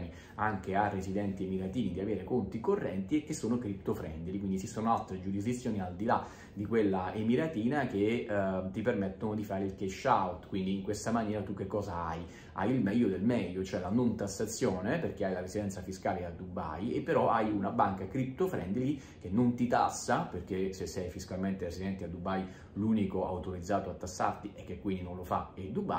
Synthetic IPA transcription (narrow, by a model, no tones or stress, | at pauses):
ni | aŋkearːesid̪ɛnt̪iemiɾat̪iːvid̪iaveːɾekont̪ikorːɛnt̪iekːesːoːnokɾipt̪ofɾɛ̰nd̪ilikwind̪isisoːnoalt̪ːɾed͡ʒuɾizd̪it̪sːjoːniald̪ila | d̪ikwelːaemiɾat̪iːnak̟et̪ːipermɛt̪ːonod̪ifaːɾeilkeʃːawt̪kwind̪iːŋkwest̪amanjɛːɾat̪ukːekːɔːzaaj | a̰jilmɛʎːod̪elmɛʎːot͡ʃoɛlanont̪asːat̪sːjoɔːneperk̟eajlarezid̪ɛnt̪safiskaːlead̪uba̰jepːeɾɔajunabaŋkakɾip̚t̪ofɾɛnd̪ili | k̟enːont̪it̪a̰sːaperk̟esesːɛjfiskalment̪eɾesid̪ɛnt̪ead̪ːubaj | luːnikoa̰wt̪oɾid̪zːaːt̪oat̪ːasːa̰rt̪iʔɛkːekːwind̪inõnlofa̰ɛd̪uba̰